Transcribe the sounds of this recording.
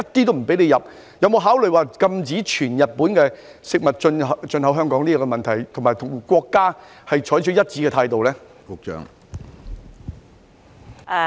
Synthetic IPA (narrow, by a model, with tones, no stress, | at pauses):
ɐ˥t̚t̪iː˥t̪o˥m̩˨˩pe˨˥jne˨˧jɐ˨p̚ | jɐ˨˧wmo˨˧wɦaː˨˥wlɵ˨ɥwaː˨kɐ˧mt͡siː˨˥t͡ʃʰyː˨˩njɐ˨t̚puː˨˥nkɛː˧ | sɪ˨k̚mɐ˨t̚t͡ʃɵ˧n˨t͡ʃɵ˧nɦɐ˨˥wɦœː˥ŋkɔː˨˥ŋniː˥kɔː˧˥kɛ˧mɐ˨nt̪ʰɐ˨˩jt̪ʰʊ˨˩ŋmaː˨˩jt̪ʰʊ˨˩ŋkʷɔː˧kːaː˥ | hɐ˨jt͡ʃʰɔː˨˥jt͡ʃʰɵ˧˥jɐ˥t̚t͡siː˧˥kɛː˧tʰaː˧jt̪o˨wlɛː˥ | kʊ˨˥k̚t͡ʃœ̰ː˨˥ŋ